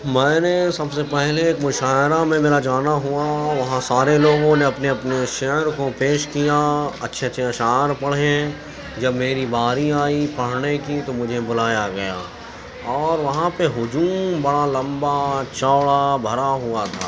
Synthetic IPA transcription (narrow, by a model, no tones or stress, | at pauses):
mɛ̃ːnesɐbsepɛɦleːkmʊʃaːɪɾamẽmeːɾad͡ʒaːnaɦuaʋɐɦãsaːɾeloːɡõneɐpneɐpneʃɛɦɾkopeːʃkijaɐtːʃʰetːʃʰaʃaːɾpɐɽ̤eɦɛ̃ | d͡ʒɐbmeːɾibaːɾiaːipɐɽɽekit̪omʊd͡ʒʱebʊlaːjaɡɐja̰ː | ɔːɾʋɐɦãpeɦʊd͡ʒuːmmbɐɽalɐ̃mbat͡ʃɔːɭabʱɐɾaɦʊat̪ʰa̰ː